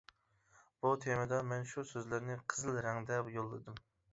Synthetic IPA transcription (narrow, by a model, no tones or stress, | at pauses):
b̥ut̪ʰemɨd̪ɑmɛnʃusøzlɪɾnɪqʰəzɨlˠɾɛŋd̪ɛpjolˠːɨd̪ɨm